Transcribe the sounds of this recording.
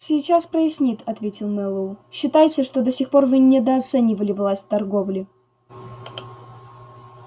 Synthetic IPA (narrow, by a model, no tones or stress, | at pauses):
sʲɪjt͡ɕaspɾəɪsʲnʲit̪ʰɐt̪vʲetʲɪlˠmɛlˠuɕːɪt̪ajɪtʲɪʂt̪od̪əsʲixpo̞rvɨnʲɪd̪əɐt̪sɛnʲɪvəlʲɪvlˠasʲt̚ʲt̪ɐrɡo̞vlʲɪ